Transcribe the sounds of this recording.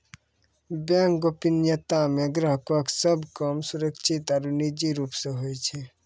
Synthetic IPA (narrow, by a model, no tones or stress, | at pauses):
bãŋkɡopinjət̪amẽɡɾəɦkəksəbkəmsʊɾəkʃʰit̪aɾunid͡ʒiɾuːpseɦojt͡ʃʰɛ